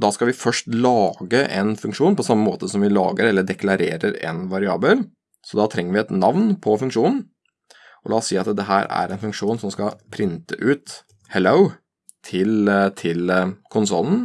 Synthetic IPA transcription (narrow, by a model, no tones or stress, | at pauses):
d̪ɑːskɑlʋɪfœʂʈlɑːɡəʔɛnfʉŋkʂuːnpɔsɑmːəmoːt̪əsɔmʋɪlɑ̰ːɡəɾɛlːəɖɛklɑɾeːɾəɾɛ̰nʋɑɾɪɑːbəl | sɔd̪ɑːt̪ʰɾɛŋːəɾʋɪɛt̪nɑʋnpʰɔfʉŋkʂuːnn̩ | ʔɔlɑːɔsiːɑt̪d̪ɛɦæːɾæ̰ɾɛnfʉŋkʂuːnsɔmskɑpʰɾɪnt̪əʔʉːt̪ | hɛləʊ | t̪ʰɪlt̪ʰɪlkʰʊnsɔlːn̩